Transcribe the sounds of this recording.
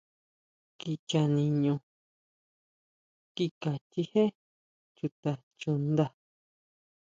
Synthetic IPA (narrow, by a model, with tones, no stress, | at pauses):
ki˧t͡ʃa˧nĩ˧ɲũ˧ | ki˧ka˨t͡ʃi˧he˦ | t͡ʃu˧t̪a˧˨ | t͡ʃu˧nd̪a˧